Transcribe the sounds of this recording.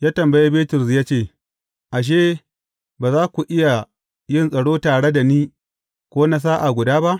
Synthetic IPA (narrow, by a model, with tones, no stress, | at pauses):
jaː˦tɐ˨mbɐ˨je˦beː˦tʊ˨ɾs̬jaː˦t͡ʃeː˦˨ | ʔa˨ʃ̬eː˦ | baː˨zaː˦kʷu˨ʔɪ˦ja˨ | jɪ˦˨nsʼɐ˨ɽoː˦taː˨ɽe˦da˨niː˦ | kʷoː˦na˦s̬aː˦ʔa˨ɡʷʊ˨daː˦ba˦ʔ